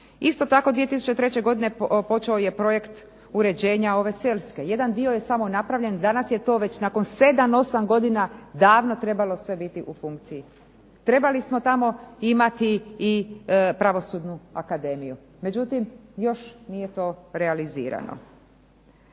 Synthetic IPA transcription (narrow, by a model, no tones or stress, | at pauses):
ist̪o̞t̪ako̞d̪ʋieisu̥t͡ɕe̞t̪ɾe̞t͡ɕe̞ɡo̞d̪ine̞po̞t͡ʃaoje̞pɾo̞je̞kt̪ | uɾe̞d͡ʑe̞ːɲao̞ʋe̞selʲske̞je̞d̪and̪io̞jesamonapɾaʋʎʲe̞nd̪anasje̞t̪o̞ːʋe̞t͡ɕnako̞nse̞d̪amo̞samɡo̞d̪inad̪aːʋno̞t̪ɾe̞balˠo̞sʋe̞bit̪iʔufuŋkt̪siji | t̪ɾe̞balismo̞t̪amo̞imat̪iː | pɾaʋo̞suːd̪nuakad̪e̞miju | me̞d͡ʑut̪imjo̞ʃnije̞t̪o̞ːɾealizḭːɾa̰no̰